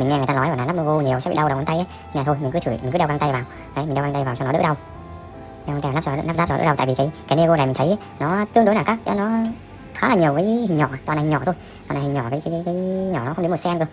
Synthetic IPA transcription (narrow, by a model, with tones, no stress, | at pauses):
i˨˩ŋɛ˧˨˩t̪aː˧ɔ˨˦ja˨˩naː˨˧na˦˥m˧vo˧ɲi˨˩əwsɛ̰˧˥ɓ̰ḭ˧˨ɗə˧wɗwt̪a˧jʔaː˨˦˧ɲaː˨˩o˧jmi˨˩ŋ̟kɨ˨˦t̪ʰɨ˧˩mi̟˨˩kɨ˨˦ɛ˧wa˧ŋt̪jvaː˨˩w | ʔə˨˦m̟˨˩ɗwɣa˧t̪a˧jvaː˨˩wt͡ɕɔ˧nɔ˦ɗ̰ɗə˧w | ɗɛ˧wa˧t̪ːa˦˥pt͡ɕɔ̰˧˨˧na˦˥pza˦˥t͡ɕɔ˧ə̰˧˥ə˧wt̪a̰ː˧˨vi˨˩kaː˨˦jkaː˨˦ne˧ɣo˧laː˨mi˨˩ŋʰə˨˦jʔaː˦ | nɔ˨˦˧t̪ɨ˧əŋɗjnaː˨˩kaː˦˥k̚a˨˦nɔ˨˦ | xaː˨˦laː˨˩ɲi˨˩əwvəː˨˦hi˨˩ŋ̟ɲɔ˧˩a˨˩t̪waː˨nː˨˩˨ɲɔ˧˩t̪ʰj | t̪wa˨˩na˨˩hi˨˩ŋɲɔ̰˧˩kaː˨˦jkaː˨˦kːjkaː˨˦jɲɔ˧˩nɔ˨˦xə˧ŋ͡mɗə˨˦m˨˩tsɛ˧nkɨ˨˩ə